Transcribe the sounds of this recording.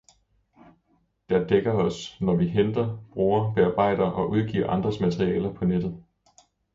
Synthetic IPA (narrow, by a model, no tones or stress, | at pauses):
d̥æɐd̥eɡ̥ɐɒ̽snɒʋiɦend̥ɐb̥ʁuːɐb̥eɑ̈ːb̥ɑ̈ɪ̰d̥ɐʔɒ̽ʔuð̞ˠɡ̥ḭːɐ̰ʔɑ̈nd̥ʁɐsmæt͡sʰʁiɛːlɐpʰɒ̽ned̥ð̩ˠ